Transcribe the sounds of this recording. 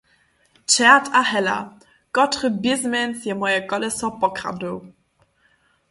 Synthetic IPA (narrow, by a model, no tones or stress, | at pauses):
t͡ʃɛɐtʰahɛla̰ | kɔtχəbɪzmɛnsjɛmɔjɛkɔlɛsɔpɔkχa̰duw